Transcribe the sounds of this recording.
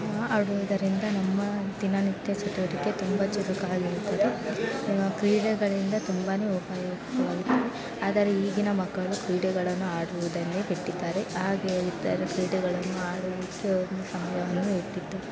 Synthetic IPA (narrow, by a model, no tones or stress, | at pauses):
ɐɽuʋud̪ɐɾind̪ɐnɐmːɐd̪inɐnit̪jɐsɐt̪iʋɐɾike̞t̪umbɐt͡ʃuɾukaːɡiɾut̪ːɐd̪e | kɾiːɽɛɡɐɭind̪ɐt̪umbaːne̞ːupajoːɡɐʋaːɡit̪ːɐde | aːd̪ɐɾeiːɡinɐmɐɡːɐɭukɾiːɽɛɡɐɭɐnːuaːɽuʋud̪ɐnːebeʈːid̪aːɾe̞aːɡeːlit̪ːaːɾekɾiːɽɛɡɐɭɐnːuaːɽuʋikːeond̪usɐmɐjɐʋɐnːueʈːit̪ːu